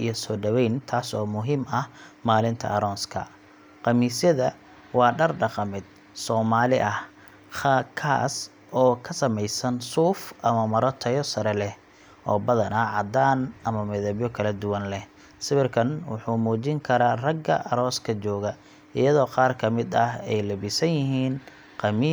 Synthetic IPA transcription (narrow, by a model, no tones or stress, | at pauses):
ijɞsɔːɖɐwɛjnt̪ʰaːsɔːmʊɦiːmɐhmaːlɪnt̪ʰɐ̰ʔɐɾɔːnskʰɐ̰ | qɑmiːsjɐðɐ | wɑːɖɐrɖɑqɑmɪd̪̚ | sɔːmaːlɪ̰ʔɐh | χɑkʰa̰ːs | ʔɔːkʰɐsɐmɛjsɐnsuːfʔɐmɐmɐɾɔt̪ʰɐjɔsɐɾɛlɛh | ʔɔːbɐðɐnɐʕɑd̪aːnʔɐmɐmɛðɐβjɔkʰɐlɐd̪ʊwɐnlɛh | sɪβɪrkʰɐnwʊ̰ħuːmuːt͡ʃɪŋkʰɐɾaːrɐɡɐ̰ʔɐɾɔːskʰɐt͡ʃɔːɣɐ | ʔɪjɐðɔːqɑːrkʰɐmɪd̪ɐhɛjlɐbɪsɐnjɪɦiːn | qɑmiː